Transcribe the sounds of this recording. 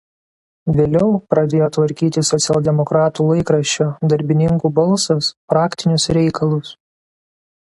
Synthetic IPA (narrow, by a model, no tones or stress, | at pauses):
ʋʲeːlʲɛʊpɾɐd̪ʲeːjoːt̪ʋɐɾʲkʲiːt̪ʲɪsɔt̪sʲɛlʲˠd̪ʲɛmɔkɾɑːt̪uːlˠɐɪkɾɐʃʲt͡ʃʲoːd̪ɐɾʲbʲɪnʲɪŋkuːbɐlˠˑsɐspɾɑːkʲt̪ʲɪnʲʊsɾʲɛɪkʰɐlˠʊs